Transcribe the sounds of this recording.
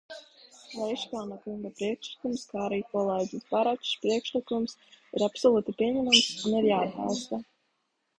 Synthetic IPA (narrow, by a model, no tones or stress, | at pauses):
lɛjʃkaːnakuŋɡapɾiɛkʃlˠikumskaːɾiːkɔlˠeːɟʲispaɾat̪ʃpɾiɛkʃlikumsiɾapsɔlˠuːt̪ipʲiɛɲɛmamsunɛvjaːd̪ba̰lˠst̪a